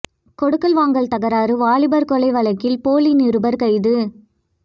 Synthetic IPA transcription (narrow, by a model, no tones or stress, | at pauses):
kɔɽɯkːɐlʋaːŋɡɐɭt̪ɐɣɐɾaːɾɯʋaːɭɪbɐɾkɔɭɐɪʋɐɭɐkːɪlpoːlinɪɾɯbɐɾkɐɪðɯ